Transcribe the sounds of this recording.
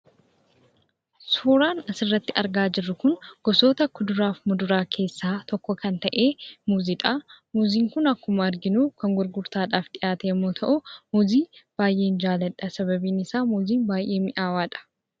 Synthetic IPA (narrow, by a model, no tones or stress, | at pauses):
suːɾaːnɐsɪrːɐt̪ːɪʔɐɾɡaːd͡ʒɪrːʊkʊnɡ̥ɔso̞ːt̪ɐkːʊd̪ʊɾaːfmʊd̪ʊɾaːkʰe̞ːsːaːt̪ɔkːɔkɐnt̪ɐʔe̞ːmuːziᶑɐmuːziːŋkʊnɐkːʊmɐɐɾɡɪnuːkɐŋɡʊɾɡʊɾt̪aːᶑaːfd̪ɪʔaːt̪ɛjɛmːoːt̪ʰɐʔʊmuːziːb̥aːjʔe̞ːnd͡ʒaːlɐᶑɐsɐβɐbiːnɪsaːmuːziːnbaːjʔe̞ːmɪʔaːwaːᶑɐ̥